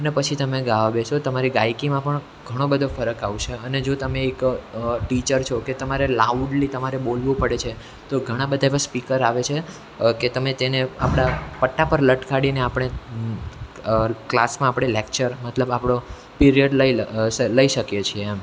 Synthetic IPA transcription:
ənepət͡ʃʰit̪əmeɡaʋabeʃot̪əmaɾiɡajkimãpəɳ | ɡʱəɽ̃õbəd̪ʱofəɾəkaʋʃeəned͡ʒot̪əmeːkʈit͡ʃəɾt͡ʃʰoket̪əmaɾelauɖlit̪əmaɾebolʋũpəɽet͡ʃʰe | t̪oɡʱəɽ̃ãbəd̪ʱaeʋaspikəɾaʋet͡ʃʰe | ket̪əmet̪enea̰pɽ̃apəʈːapəɾləʈkaɽineapɽ̃e | klasmãːpɽ̃elekt͡ʃəɾmət̪ləbapɽ̃o | piɾijəɖləiləiʃəkjet͡ʃʰiem

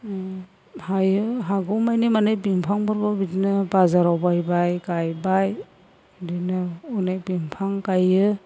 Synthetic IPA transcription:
hajɯɦaɡuwmajnimanɯjbimpʰaŋbɯɾbɔbidinɯbazaɾawbajbajkajbaj | dinɯunajbimpʰaŋkajɯ

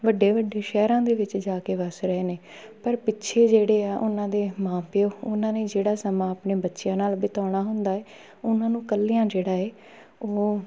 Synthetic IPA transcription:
ʋəɖːeːʋəɖːeːʃɛːɾãːd̪eːʋɪt͡ʃd͡ʒaːkeːʋəsɾəeːneː | pəɾpɪtːʃʰeːd͡ʒeːɽeːaːʔʊnãːd̪eːmãːpɪjoːʊnãːneːd͡ʒeːɽaːsəmãːəpneːbətːʃɪjãːnaːlbɪt̪aːɽ̃aːɦʊ̃nd̪aːɛː | ʊnãːnũːkəlːijãːd͡ʒeːɽaːɛː | oː

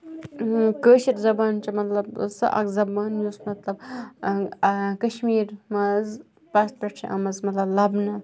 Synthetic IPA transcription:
kəːʃiɾzɐbaːnt͡ʃɐmɐt̪lɐbsɐ̰ʔɐ̰kzɐbaːnjuːsmɐt̪lɐb | kɐʃmiːɾmɐz | paːst̪̚pɐʈt͡ʃʰiʔɐ̰mɐzmɐt̪lɐblɐbnɐ

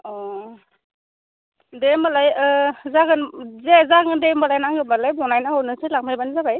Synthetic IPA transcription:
ɔ | demalajzaɡɯnzezaɡɯndejmalajnaŋɡɯbalajbɔnajnaɔnɯsɯlak̚majbanzabaj

